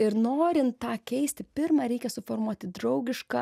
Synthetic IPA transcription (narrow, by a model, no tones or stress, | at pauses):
ɪɾnoːɾʲɪnt̪tːɑːkʲɛɪsʲt̪ʲɪpʲɪɾmɐɾʲɛɪkʲɛsʊfoːrmuɔt̪ʲɪd̪ɾɐʊɡʲɪʃkɑ